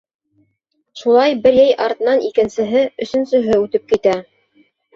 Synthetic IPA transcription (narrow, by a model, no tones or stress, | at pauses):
ʃulˠɑjbɘɾjæjʔɑɾt̪nɑnikɘ̆nsɘ̆ɦɘɵ̆sɵ̆nsɵ̆ɦɘʉt̪ɘp̚kit̪æ